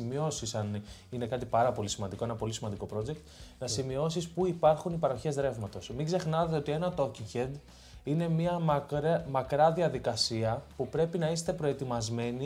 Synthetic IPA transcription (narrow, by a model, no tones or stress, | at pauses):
mio̞sisɐnine̞kɐt̪ipɐɾɐpo̞lisimɐnd̪iko̞enɐpo̞lisimɐnd̪iko̞pɾo̞d͡ʑe̞k̚t̪nɐsimio̞sispuipɐɾxunipɐɾo̞çe̞zðɾe̞vmɐt̪o̞smiɡze̞xnɐt̪eo̞t̪ie̞nɐt̪o̞ciŋcend̪ | ine̞miɐɾmɐkɾɐðiɐðikɐsiɐpupɾe̞pinɐist̪e̞pɾo̞e̞t̪imɐzme̞ni